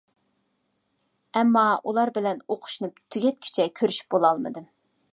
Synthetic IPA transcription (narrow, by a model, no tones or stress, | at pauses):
ɛmːɑʔulˠɑɾbɪlɛnoqʰʊ̥ʃnup̚t̪ʰːyɡʲɛt̪̚kʲʰi̥t͡ʃʰɛkʲʰøɾyʃy̥p̚bolˠɑlˠmɨ̰d̪ɨ